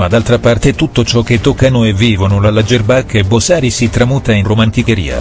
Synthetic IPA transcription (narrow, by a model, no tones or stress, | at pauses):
mad̪alt̪ɾapart̪et̪ut̪ːot͡ʃɔk̟ːet̪ːɔkːanoevːiːvonolalːad͡ʒerbakːebosaːɾisit̪ɾamuːt̪ainromant̪ikeɾḭːa̰